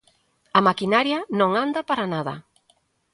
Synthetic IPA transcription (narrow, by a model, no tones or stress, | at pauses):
ɐmakinaɾjanõŋand̪apaɾanaðɐ̰